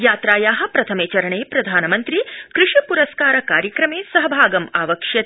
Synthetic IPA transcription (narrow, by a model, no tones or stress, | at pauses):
jaːt̪ɾaːjaːɦɐ̆pɾɐt̪ʰɐmeːt͡ʃɐɾɐɳeːpɾɐd̪ʱaːnɐmɐnt̪ɾikɾɪʂipuɾɐskaːɾɐkaːɾjɐkɾɐmeːsɐɦɐbʱaːɡɐmaːʋɐkʂjɐt̪